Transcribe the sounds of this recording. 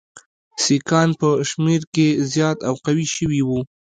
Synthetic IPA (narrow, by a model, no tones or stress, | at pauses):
sikɑnpəʃmeɾkezjɑt̪awqawiʃəwiwu